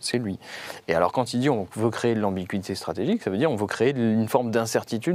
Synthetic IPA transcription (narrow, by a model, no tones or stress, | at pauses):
sɛlɥiea̰lɔ̰ʁkɑ̃t̪ild̪iɔ̃vøkχeːd̪lɑ̃biɡɥit̪ʰest̪χat̪eʒiksavød̪iʁɔ̃vøkχeeynfɔʁmd̪ɛ̃sɛʁt̪it̪yd̪